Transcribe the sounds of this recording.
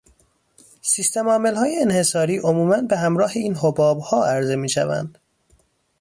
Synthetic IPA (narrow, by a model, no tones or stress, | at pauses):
sist̪ʰemɒːmelhɒːjeenhe̞sɒːɾiːʔomuːmænbeɦæmɾɒːheiːnɦobɒːbhɒːæɾze̞miːʃæ̰væ̰nd̪̥